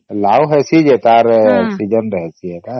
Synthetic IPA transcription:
lawɦɛsʰid͡ʒet̪aɾɔksid͡ʒənɾəɦɛt͡ʃʰiɦɛt̪aɾ

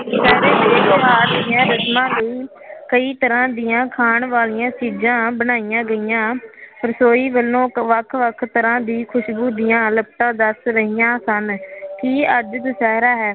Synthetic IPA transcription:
sɛːɾẽːmeːɾoːɦaːɾd̪ɪjãːɾəsmãːləiː | kəiːt̪əɾãːd̪ɪjãːkʰaːɳʋaːlɪjãːt͡ʃiːd͡ʒãːbənaːijãːɡəijãːpəɾsoːiːʋəlːõːʋəkʰʋəkʰt̪əɾãːd̪iːkʰʊʃɡuːd̪ɪjãːləp̚ʈ̪ãːd̪əsɾəɦɪːjãːsənkiːəd͡ʒd̪sɛːɾaːɦɛː

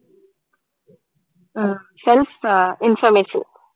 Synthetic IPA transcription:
selfɪnfɐɾmesḭ

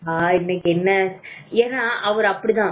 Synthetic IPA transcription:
aːɪnːɐkːɛnːɐeːnːaːʔɐʋɐɾɐpːɐɽit̪ãː

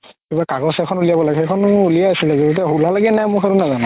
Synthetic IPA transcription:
kibakaɡɔsɛkʰɔnulijabɔlaɡɛɦekʰɔnuliaasilɛzetut̬aɦulalaɡɛnajmʊkʰaɹunazana

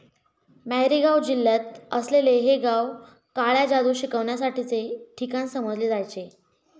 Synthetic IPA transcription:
mæɦɾiɡawd͡ʑilːat̪̚əsleleɦeɡaw | kaɭjad͡ʑad̪uːɕikəʋɳjas̬aʈit͡seʈʰikañsəməd͡zleːd͡zajt͡ɕe

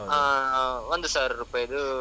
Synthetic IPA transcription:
aːʋɐnd̪ɯsaːɾɾɯpːɐɛðɯ

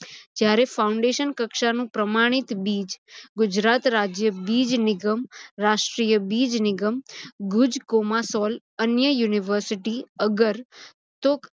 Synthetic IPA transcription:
d͡ʒjaɾefauɳɖeʃənkəkʃanũpɾəmaɽ̃it̪bid͡ʒɡʊd͡ʒɾat̪ɾad͡ʒjəbid͡ʒnɪɡəmɾaʃʈɾijəbid͡ʒnɪɡəmɡʊd͡ʒkomasɔl | ənjəjuniʋəɾsiʈiəɡəɾ | t̪ok

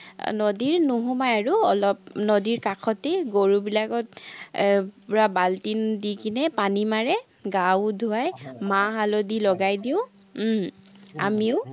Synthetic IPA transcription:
nɔdiɹnuɦumajaɹuɔlɔp̚nodiɹkakʰɔteɡoɹubilakɔt | pʊɹabaltindikinɛpanimaɹɛ | ɡawdʱuajmaɦalodilɔɡajdiʊ̃ | a̰miʊ

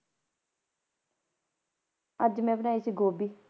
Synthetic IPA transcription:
əd͡ʒmɛ̃ːbənaːiːsiːɡoːbiː

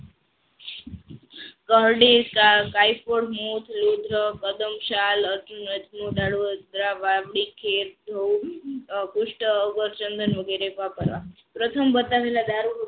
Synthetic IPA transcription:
kəɦɖikakajfoɽmut̪ʰlod̪ʱɾəkəd̪əmʃaləɾtunət̪mud̪aɽuəd̪ɾaʋaʋɽikʰeɾd̪ʱəw | kʊʃʈəːɡəɾt͡ʃənd̪ənʋəɡeɾepapəɾʋa̰ | pɾət̪ʰəmbət̪aʋelad̪ʱaɾu

